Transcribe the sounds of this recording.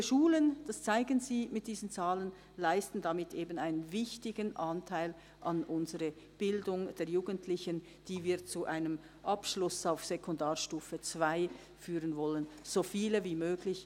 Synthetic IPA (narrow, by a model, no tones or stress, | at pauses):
ʃuːlənd̥ast͡saɪɡənziːmɪt̚d̥iːzən̩t͡saːlən | laɪstn̩damɪtʰʔeːbənaɪnənvɪçtɪɡənʔɑntʰaɪl | ʔɑnʔʊnzəʁə | b̥ɪldʊŋd̥eɛːɐjuːɡəntʰlɪçən | d̥iːviːt͡suʔaɪnəm | ʔɑpʃlʊsaʊfsekʰʊndaːʁʃtuːfət͡sv̥aɪ | fyːʁənvɔlənz̥oːfiːləviːmøːɡlɪç